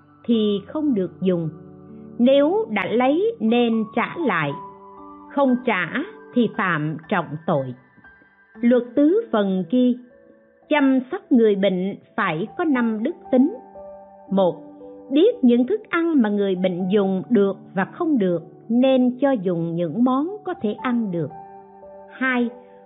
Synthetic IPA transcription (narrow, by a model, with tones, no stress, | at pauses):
t̪ʰi˨˩xə˧wŋ͡mɗɨ˨˩ək̚zʊ˨˩ŋ͡m | ne˨˦wɗa̰ː˧˥lə˨˦jne˧nt͡ɕa̰ː˧˩˥la̰ː˧˨j | xə˧wŋ͡mt͡ɕa̰ː˧˩t̪ʰi˨˩fa̰ː˧˨mt͡ɕɔ̰˧˨wŋ͡mt̪o˧˨j | lwə˨˩t̚t̪ɨ˨˦fə˨˩nki˧ə | t͡ɕa˧msa˦˥p̚ŋɨ˨˩əjɓḭ˧˨ŋ̟faː˧˩jkɔ˨˦na˧mɗɨ˦˥k̚t̪ï˨˦ŋ̟ | mo˨˩t̚ɓi˦˥ət̚ɲɨ̰˧˥ŋkɨ˦˥k̚ʔa˧nmaː˨˩ŋɨ˨˩əjɓḭ˧˨ŋ̟zʊ˨˩ŋ͡mɗɨ˨˩ək̚vaː˨˩xə˧wŋ͡mɗɨ˨˩ək̚ | ne˧nt͡ɕɔ˧zʊ˨˩ŋ͡mɲɨ̰˧˥ŋmɔ˨˦nkɔ˨˦t̪ʰe˧˩ʔa˧nɗɨ˨˩ək̚ | haː˧j